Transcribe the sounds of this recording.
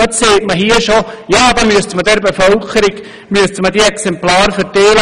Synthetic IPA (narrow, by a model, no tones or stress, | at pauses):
ɔseːtməɦiːəʃojaːdɑmyəstmədɛɾbefœlkʰəɾɪɡ | myəstmədiɛksɛmplaːɾfəɾtɛːlə